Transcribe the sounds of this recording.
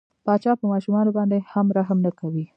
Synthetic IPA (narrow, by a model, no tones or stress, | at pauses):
pɑt͡ʃɑpəmɑʃumɑnobɑnd̪ehamɾaɦmnakawi